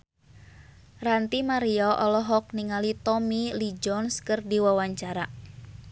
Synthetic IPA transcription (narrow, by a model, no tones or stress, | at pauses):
rant̪imaɾiɔʔɔlɔɦɔk̚niŋalit̪ɔmilid͡ʒɔnskɨrdiwawaɲt͡ʃaɾa